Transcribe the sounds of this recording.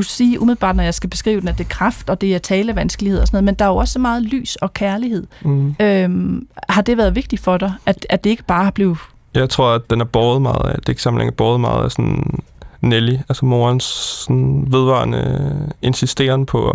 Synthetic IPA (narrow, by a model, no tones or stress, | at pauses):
usiːʔumiðˠl̩ˠb̥ɑ̈ːd̥nɒjɑ̈ɪsɡ̥æb̥e̝sɡ̥ʁḭːʊd̥enæɐd̥ekʰʁɑfd̥ɒ̽d̥e̝æt͡sʰɛːlæʋænsɡ̥əlie̝ðˠsnɔð̩ˠmend̥ɑ̈æɐjoɒ̽sɒ̽mɑ̈ːð̞̩ˠly̰ːsɒ̽kʰæɐlihe̝ð̰ˠømhɑ̈d̥e̝ʋæːɐðˠʋe̝ɡ̥d̥i̥fɒ̽ɾ̥ɑɪæ̥æd̥e̝e̝ɡ̥əb̥ɑ̈ːæb̥le̝ːð̩ˠ | jɑ̈ɪt͡sʰʁo̝ɐ̰æ̥enæɐb̥ɒːð̩ˠmɑ̈ːð̞̩ˠæ̰d̥e̝e̝ɡ̥sɑ̈mn̩ḛŋɐb̥ɒːð̞̩ˠmɑ̈ːð̞̩ˠæsɔn | neliælsəmo̝ːɐnsːɔnʋe̝ð̞ˠʋɑ̰̈ːnəe̝nsisd̥e̝̰ːɐnəpʰɒ̽